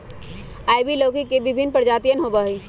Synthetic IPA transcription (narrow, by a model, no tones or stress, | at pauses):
aːɪbiloːkikebɪbʱɪnpəɾd͡ʒaːt̪ijənɦobaɦi